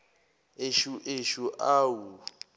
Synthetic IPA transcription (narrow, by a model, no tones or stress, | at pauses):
eʃuʔeʃuʔaːwu